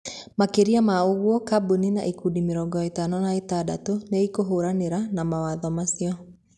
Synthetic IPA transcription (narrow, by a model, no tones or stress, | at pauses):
makeɾiamaoɣwɔkabunina̰ʔikudimeɾɔɡɔetanɔnaetadatoneikoɦoɾaneɾanamawaðɔmasiɔ